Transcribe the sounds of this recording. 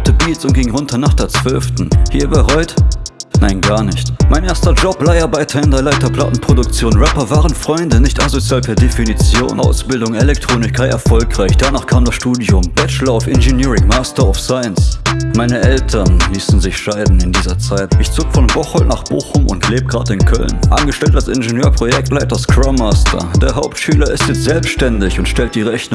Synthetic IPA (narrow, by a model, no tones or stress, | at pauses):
tʰəbiːsʊnt̚ɡ̥ɪŋʁʊntʰɐnaːχd̥eːɐt͡sv̥œlftn̩hiːɐbəʁɔʏtnaɪnɡaːɐnɪçtmaɪnʔeːɐstɐd͡ʒɔplaɪɐbaɪtʰɛndɐlaɪtɐpl̥a̰tn̩pʁ̥odʊk̚t͡sjoːnʁɛpɐvaːʁənfʁ̥ɔʏndənɪçtʔazot͡sjaːlpʰɛːɐdefinit͡sjo̰ːnʔa̰ʊsb̥ɪldʊŋelɛk̚tʁ̥oːnɪçkʰaɪɛ̰ɐfɔlkʁ̥aɪçd̥anaːχkʰaːmdasʃtuːdiʊmb̥ɛt͡ʃlɐaʊfʔɪnʒeniːʁɪŋmaːstɐaʊfsaɪənsmaɪnəʔɛltʰɐnliːsn̩zɪçʃaɪdn̩ɪndiːzɐt͡saɪtʔɪçt͡soːkfɔnbɔχɔltna̰ːχb̥o̰ːxʊmʊ̰ntleːbəɡʁa̰ːdɪnkʰœ̰lnʔa̰nɡəʃtɛltd̥asʔɪnʒenjøːɐpʁ̥ojɛk̚tlaɪt̚d̥askʁ̥ɔmaːstʰɐ̰d̥eːɐɦaʊptʃyːlɐɪstjɛt͡stz̥ɛlpsʃtɛndɪçʊntʃtɛlt̚d̥iːʁɛçnʊ